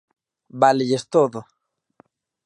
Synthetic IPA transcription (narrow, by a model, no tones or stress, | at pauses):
baleʝest̪oðo